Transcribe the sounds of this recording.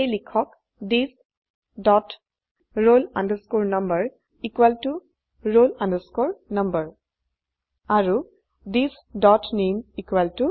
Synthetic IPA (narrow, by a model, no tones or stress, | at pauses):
ejlikʰɔk | dis | dɔt | ɹolãndəskoɹnɐmbəɹ | ikwaltu | ɹolãndəskoɹnʌmbəɹ | aɹu | dis | dɔtnemikwaltu